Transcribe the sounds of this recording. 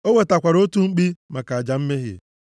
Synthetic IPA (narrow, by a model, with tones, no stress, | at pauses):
o˦we˨ta˨kʷa˨ɾo˦tu˦ŋ͡m̩˦k͡pi˦ma˨ka˨a˨d͡ʒa˨m̩˦me˦ɦɪ̰˨